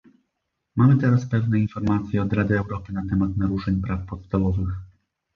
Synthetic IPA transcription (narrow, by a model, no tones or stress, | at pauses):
mamɘt̪ɛɾaspɛvnɛinfɔɾmat̪sʲjɛɔd̪ɾad̪ɘːwɾɔpɘnat̪ɛmat̪naɾuʂɛɲpɾafpɔt̪st̪avɔvɘx